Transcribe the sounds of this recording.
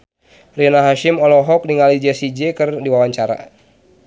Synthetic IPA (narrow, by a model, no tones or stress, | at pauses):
rinaɦaʃimɔlɔɦɔk̚diŋalid͡ʒɛsid͡ʒɛkɨrdiwawaɲt͡ʃaɾa̰